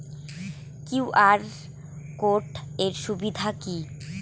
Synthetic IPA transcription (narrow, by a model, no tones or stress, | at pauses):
kiwʔaɾ | koʈeɾʃubid̪ʱaki